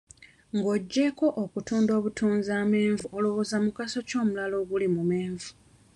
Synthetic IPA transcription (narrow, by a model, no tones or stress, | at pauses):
ŋɡo̞ɟːe̞ko̞ʔokutuːndo̞ːβutʰuːnzaːme̞ːɱvuolo̞wozamukaso̞co̞ːmulalo̞ːɡulimume̞ːɱvu